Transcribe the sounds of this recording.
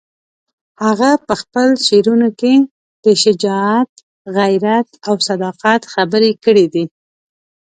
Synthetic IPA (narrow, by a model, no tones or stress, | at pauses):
haɣapəxpəlʃeɾunoke | d̪̥əʃɪd͡ʒɑat̪̚ | ɣajɾat̪awsad̪ɑqat̪xabəɾekəɽid̪i